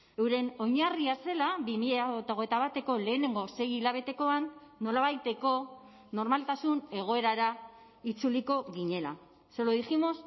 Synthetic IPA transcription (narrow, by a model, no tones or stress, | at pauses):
ewɾe̞no̞ɲariase̞labimiʎat̪aoɣe̞t̪aβat̪e̞ko̞le̞ːne̞ŋɡo̞se̞jiʎaβ̞e̞t̪e̞ko̞anːo̞laβajt̪e̞ko̞ | no̞ɾmalt̪asune̞ɣ̞o̞e̞ɾaɾa | it͡suliko̞ɣiɲe̞la̰ | seloðiximo̞s